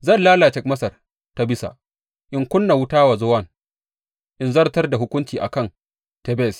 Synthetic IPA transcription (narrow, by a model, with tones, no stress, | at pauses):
zɐ˦˨nlaː˦laː˨t͡ʃɛ˨k̚mɐ˦sɐ˨r | ta˦bɪ˦sa̰˨ | ʔɪ˨ŋkʷʊ˦nːa˨wʊ˦taː˦wa˨zo˦wɐ˦˨n | ʔɪ˨˦nzɐ˦rtɐ˦rda˨ɦʊ˦kʷʊ˦nt͡ʃiː˨ʔa̰˨kɐ˦n | tɛ˨˦bɛ˦˨s